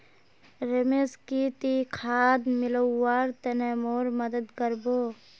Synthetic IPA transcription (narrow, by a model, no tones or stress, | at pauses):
ɾemeskit̪ikʰaːd̪mɪləːaːɾt̪ɐnemoːɾmɐd̪əd̪kəɾboː